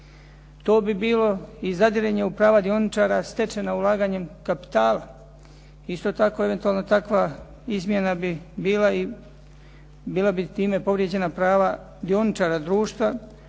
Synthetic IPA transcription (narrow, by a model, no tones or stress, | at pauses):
t̪oːbibiːlo̞izad̪iɾeɲeupɾaːʋad̪io̞nit͡ʃaːɾast̪e̞t͡ʃe̞naulˠaːɡaɲe̞mkapi̥t̪aːla | ist̪o̞t̪ako̞e̞ʋet̪uaːlnot̪akʋa | izmje̞nabibiːlai | biːlˠabit̪iːme̞po̞ʋɾje̞d͡ʑe̞napɾaːʋa | d̪io̞nit͡ʃaːɾad̪ɾuːʃt̪ʋa